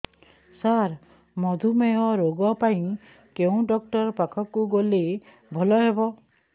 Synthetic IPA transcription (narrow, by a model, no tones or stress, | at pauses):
saɾ | mɔd̪ʱumeɦɔɾoɡɔpaĩ | keũɖɔk̚ʈɔɾpakʰɔkuɡole | bʱɔlɔɦebɔ